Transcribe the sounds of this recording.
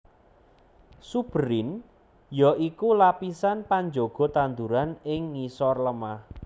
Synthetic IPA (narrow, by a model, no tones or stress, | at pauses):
sub̥ɾɪn | jɔʔikulapisanpaɲd͡ʒoɡ̥ɔ̤t̪and̪uɾanɪŋːisɔrləmah